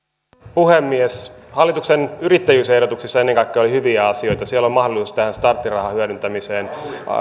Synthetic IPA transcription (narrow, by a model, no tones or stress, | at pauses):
puɦemːieshɑlːit̪uksenyɾit̪ːæjyːsehdot̪uksisːɑenːeŋkɑikːeːolihyʋiæɑsio̞jt̪ɑsielːommɑhdolisuːst̪æhænst̪ɑrt̪ːirɑhɑhyødynt̪æmiseːn